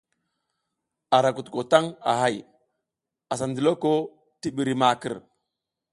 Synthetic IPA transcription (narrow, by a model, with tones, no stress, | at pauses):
a˨ɾa˨ku˨tko˨ta˦ŋa̰˨ɦa˦˨j | a˨sa˨ndi˨lo˦ko˦ | ti˦ɓi˨ɾi˨ma˨kə̰˨ɾ